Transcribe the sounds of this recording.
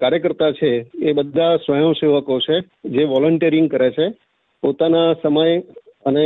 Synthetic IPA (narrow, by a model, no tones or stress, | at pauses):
kaɾjəkəɾt̪at͡ʃʰeːbəd̪ʱːasʋəjəmseʋəkot͡ʃʰe | d͡ʒeʋɔləɳʈiəɾiŋɡkəɾet͡ʃʰe | pot̪anasəməjəne